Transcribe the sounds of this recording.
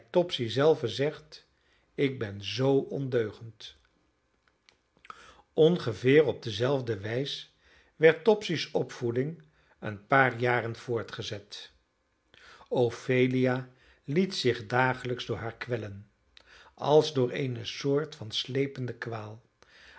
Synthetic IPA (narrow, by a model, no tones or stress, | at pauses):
tɔpsizɛlˠvəzɛχt | ɪɡ̚bɛnzowɔndøɥχənt | ɔnχəvɪːrɔb̚dəzɛlˠvdəʋɛjs | ʋɛɹtːɔpsisɔpfudɪŋ | ə̰npaːɹjaːrənv̥ʊːɹtχəzɛt | owfejlijaː | litsɪχdaːχələkzdʊːɹɦaːɹkʋɛlən | ɑ̰lˠzdʊːɹḛjnəsʊːɹtfɑnslejpəndəkʋaːlˠ